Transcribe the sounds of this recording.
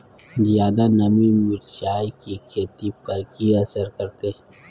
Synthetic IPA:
zjaːd̪anɐmimʊɾʃaːjkikʰeːt̪ipɐɾkiɐsəɾkɐɾt̪e

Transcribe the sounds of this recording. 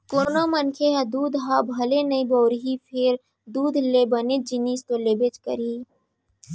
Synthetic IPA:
koːɾnomɐnkʰeɦad̪uːd̪ʱɦabʱɐlenɐibɔːɾɦipʰɪɾ | d̪uːd̪ʱlebɐned͡ʒɪnist̪oleːbet͡ʃkə̰ɾiː

